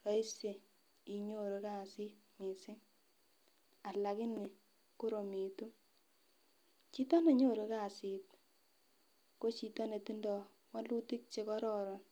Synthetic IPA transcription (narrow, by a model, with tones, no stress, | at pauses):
ka˦i˦se˨ | i˨ɲo˦ɾo˧ka˦˨si˦t̚mi˨sɪ˦ŋ | a˨la˨kɪ˦nɪ˨ | ko˦ɾo˨mi˨tu˦ | t͡ʃi˦tɔ˦ne˨ɲo˦˨ɾo˧ka˦˨si˨t̚ | ko˦t͡ʃi˨tɔ˦ne˨ti˦ndɔ˨ | wa˦lu˦ti˦k̚t͡ʃe˧kɔ˦ɾɔ˦˨ɾɔ˨n